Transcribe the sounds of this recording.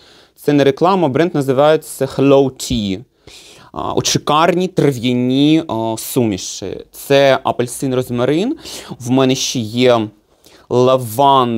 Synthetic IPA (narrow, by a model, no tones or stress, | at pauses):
t̪sɛnɛɾeklˠɑmɐbɾɛndt̪nɐzɪʋɑjet͡sʲːɐxlʲˠowtʲʰi | ɔ̰t͡ʃɪkɑrnʲit̪rɪʋʲjɐnʲisumʲiʃɪ̰t̪sɛɐpɐlʲsɪnrɔzmɐɾɪnwmɛnɛʃt͡ʃɛjɛ | lˠɐʋɑn